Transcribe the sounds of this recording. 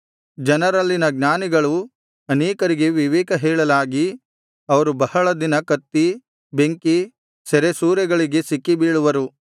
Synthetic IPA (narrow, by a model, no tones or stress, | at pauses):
d͡ʒɐnɐɾɐlːinɐɡnaːniɡɐɭu | ɐneːkɐɾiɡe̞ʋiʋɛːkɐɦɛːɭɐlaːɡi | ɐʋɐɾubɐhɐɭɐd̪inɐkɐt̪ːi | beŋki | sɛɾesuːɾɐɡɐɭiɡe̞sikːibiːɭuʋɐɾu